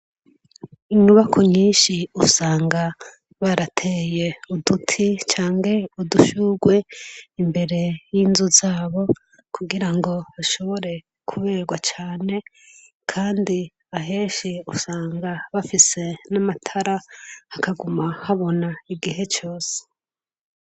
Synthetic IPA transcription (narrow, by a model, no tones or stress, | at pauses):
iɲuβakʰoɲiːnʃiusaːŋɡa | βaɾatʰe̞je̞udutʰit͡ʃaːŋɡe̞uduʃuɡwe̞imbe̞ɾe̞jinzuzaːβo̞ | kʰuɡiɾaŋɡo̞βaʃo̞βo̞ɾe̞ | kʰuβe̞ːɡwat͡ʃaːne̞ | kʰaːndi | aɦe̞ːʃiusaːŋɡaβafise̞namatʰaɾahakaɡumahaβo̞naiɡiɦe̞t͡ʃo̞ːse̥